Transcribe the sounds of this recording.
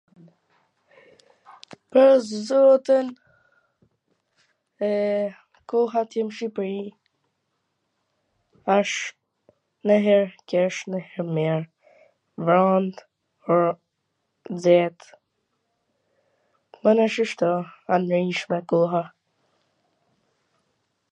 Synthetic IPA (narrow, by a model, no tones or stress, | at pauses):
pəɾszɔt̪in | ɛ | kɔɦat̪jɛmʃipɾi | aʃ | nəɦɛɾkɛʃnəhɛɾmɛɾ | vɾɔnd̪ | ɔɾ | zɛt̪ | manaʃiʃt̪ɔanɾiʃmɛkɔɦa